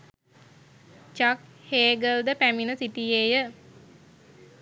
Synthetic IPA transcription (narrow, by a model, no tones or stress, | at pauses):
t͡ʃak̚heːɡəld̪əpæminəsiʈijejə